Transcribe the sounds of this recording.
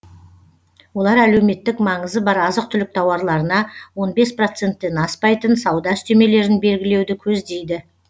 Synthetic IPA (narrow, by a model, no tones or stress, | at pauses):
wo̞lˠɑɾælewme̞t̪ːɪkmɑɴəzəbɑɾɑzəq̚t̪ʰʏlɪk̚t̪ʰɑwɑɾlˠɑɾənɑwo̞nbe̞spro̞t̪se̞nt̪ːe̞nɑspɑjt̪ənsɑwd̪ɑʏst̪eme̞le̞ɾɪnbe̞lɡʲɪle̞wd̪ɪkʲʰɵzd̪e̞jd̪ɪ